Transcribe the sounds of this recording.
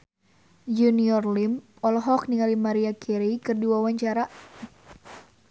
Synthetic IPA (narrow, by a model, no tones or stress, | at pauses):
juniɔrlim | ɔlɦɔk̚niŋalimaɾiakʰɛɾikɨrdiwawaɲt͡ʃaɾa